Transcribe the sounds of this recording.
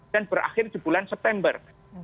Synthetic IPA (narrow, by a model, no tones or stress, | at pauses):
anbəɾʔa̰xɪrd͡ʒubulansɛp̚t̪ɛmbə̰r